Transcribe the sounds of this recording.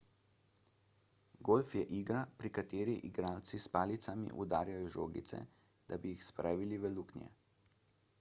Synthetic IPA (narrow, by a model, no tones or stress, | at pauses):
ɡolfjɛʔiːɡɾapɾikat̪eːɾiʔiɡɾaːlt̪sispaːlit̪samḭʔṵd̪aːɾjajɔʒoːɡḭt̪sɛ̰ | d̪abijixspɾʔaːʋiliʋɛluknʲjɛ̰